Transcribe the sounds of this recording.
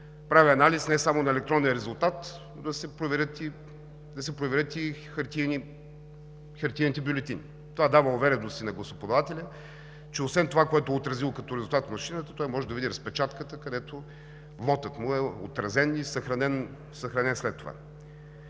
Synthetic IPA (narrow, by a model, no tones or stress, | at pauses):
pɾaviɐnalisnɛsamonɐɛlɛk̚t̪ɾɔnːɛəɾɛzʊlˠt̪at̪ | d̪ɐsɛpɾovɛɾʲət̪i | d̪ɐsɛpɾovɛɾʲət̪ixɐɾt̪iɛni | xɐɾt̪init̪ɛbʲjulʲɛt̪ini | t̪ovad̪avəovɛɾɛnost̪inɐɡlˠɐsopod̪ɐvat̪ɛlʲə | t͡ʃɛosvɛnt̪ovakoɛt̪oʊɛot̪ɾɐzilˠokɐt̪ɔɾɛzulˠt̪at̪vmɐʃinət̪ət̪ɔjmɔʒɛd̪ɐvid̪iɾɐspɛt͡ʃat̪kət̪əkɐd̪ɛt̪o | vˠɔt̪ət̪mʊɛo̰t̪ɾɐzɛnisɐxɾɐnɛn | sɐxɾɐnɛnslɛt̪ːova̰